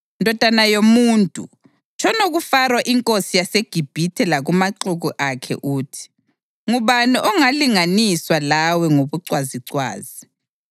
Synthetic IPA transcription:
ndʱɔd̥ʱanajomuːntʼṵ | t͡ʃʰʼɔnoɣufarwaʔiŋkʼosijaseɡ̥ʱib̥ʱitʰɛlaɣumaǀuɣuʔakʰɛ̰ʔuːtʰi̥ | ŋuβaniʔɔŋaliŋaniswalawɛŋoβuǀwaziǀwa̰ːzi

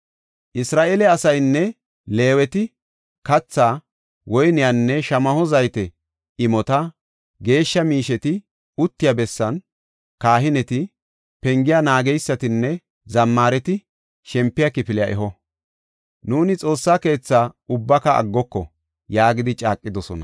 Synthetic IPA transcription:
ʔɪsɾaːʔeːlɛɐsɐjnːɛ | le̞ːwɛt̪ɪ | kɐt͡sːaː | wɔjnɪjanːɛʃɐmɐhɔzɐjt̪ɛ | ɪmɔt̪ɐ | ɡe̞ːʃːɐmiːʃɛt̪ɪ | ʊt̪ːɪjabɛsːɐn | kaːɦɪnɛt̪ɪ | pɛŋɡɪjanaːɡɛjsːɐt̪ɪnːɛ | zɐmːaːɾɛt̪ɪ | ʃɛmpːɪjakɪpɪlɪjaʔɛɦɔ | nuːnɪt͡sʼo̞ːsːaːke̞ːt͡sːaːʊbːɐkɐʔɐ̰ɡːɔkːɔ̰ | jaːɡɪd̪ɪt͡ʃʼaːkʼːɪd̪ɔsɔ̰nɐ̰

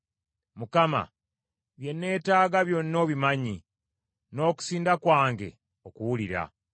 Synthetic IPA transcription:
mukama̰ | βje̞nːe̞ːtaːɡaβjo̞nːo̞ːβimaɲi | no̞ːku̥siːndakwaːŋɡe̞̰ | okuwuliɾa̰

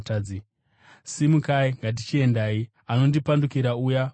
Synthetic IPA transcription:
taːi | simukaiŋɡat̬it͡ʃie̞ndaːi | ano̞ndipandukiɾauja

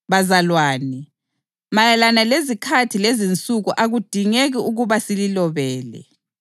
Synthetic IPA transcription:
βazalwaːni | majalanalezikʰatʰilezint͡sʼuɣuʔaɣud̥ʱiŋeɣiuɣuβasililɔβɛːlɛ̰

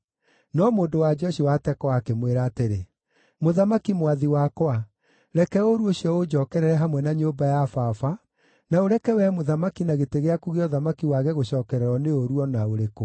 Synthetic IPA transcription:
nɔmoːndowad͡ʒɔɕiwatɛkɔwakemweɾaːteɾe | moðamakimwaðiwakwa | ɾɛkɛoɾuoɕiɔod͡ʑɔːkɛɾɛɾɛɦamwɛnaɲobajafafa | naoɾɛkɛwɛmoðamakinaɣeteɣeakuɣeɔðamakiwaɣɛɣoɕɔːkɛɾɛɾɔneoɾuɔnaoɾeko

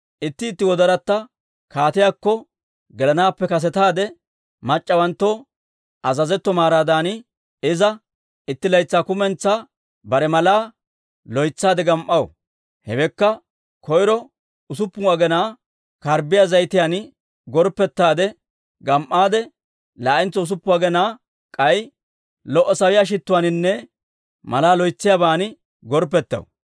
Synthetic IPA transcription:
ʔɪt̪ːɪːt̪ːɪwɔd̪ɐɾɐt̪ːɐ | kaːt̪ɪjakːɔ | ɡɛlɐnaːpːɛkɐs̬ɛt̪aːd̪ɛ | mɐt͡ʃʼːɐwɐnt̪ːɔ | ʔɐzɐzɛt̪ːɔmaːɾaːd̪aːnɪ | ɪzɐ | ɪt̪ːɪlɐjt͡sːaːkʊmɛnt͡sːaː | bɐɾɛmɐlaː | lɔjt͡sːaːd̪ɛɡɐmʔːɐwɔ̰ | hɛ̰wɛkːɐ | kʰɔjɾɔ | ʊs̬ʊpːʊaːɡɛnaː | kɐɾbɪjazɐjt̪ɪjaːn | ɡɔɾpːɛt̪ːaːd̪ɛ | ɡɐmʔaːd̪ɛ | laːʔɪnt͡sːɔʊs̬ʊpːʊwaːɡɛnaː | kʼɐj | lɔʔːɔsɐwɪjaːʃ̬ɪt̪ːʊwaːnɪnːɛ | mɐlaːlɔjt͡sːɪjaːbaːnɪ | ɡɔɾp̬ːɛt̪ːɐ̰w̰

